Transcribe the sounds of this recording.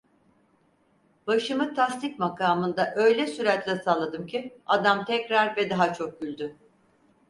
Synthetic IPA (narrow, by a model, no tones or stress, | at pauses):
baʃɯmɯt̪ʰast̪ic̚makʰaːmɯnd̪aʔø̞jlʲɛsyɾat̪lʲɛsaːlˠad̪ɯmcʰiad̪amt̪ʰɛcɾaɾvɛd̪aɦat͡ʃʰo̞k̚ɟylʲd̪ʏ